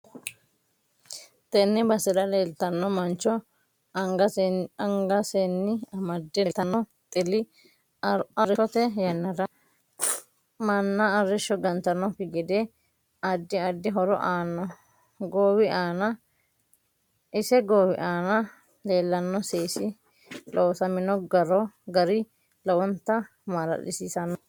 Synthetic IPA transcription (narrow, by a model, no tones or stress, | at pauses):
t̪ɛnːɛbɐsɛdɐleːlt̪ɐnːɔmɐnt͡ʃːɔ | ɡɐɐŋɡɐsenːɪɐmɐd̪ːɛt̪ːɐnːɔt̪ʼɪlɪ | ɐɾɛɔt̪ɛjɐnːɐdɐ | mɐnːɐːɾːɛʃːɔɡɐnt̪ɐnːɔkɪɡɛd̪ɛ | ɐd̪ːɪɐd̪ːɪɦɔɾɔ̰ʔaːnːɔ | ɡoːwɪʔaːnɐ | ʔɪsɛɡoːwɪʔaːnɐ | leːlːɐnːɔseːsɪ | loːsɐmɪnɔɡɐɾɔɡɐɾɪ | lɐwɔnt̪ːɐ | maɾɐ̰ɗɪ̰siːsɐnɔ